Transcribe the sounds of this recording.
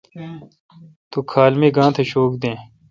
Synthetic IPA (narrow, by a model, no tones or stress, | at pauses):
t̪oːkʰaːlmeːɡãːt̪ʰeɕoːkd̪ẽː